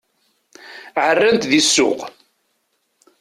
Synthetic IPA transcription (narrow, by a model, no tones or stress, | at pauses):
ʕərːənt̪ðisːʊ̰q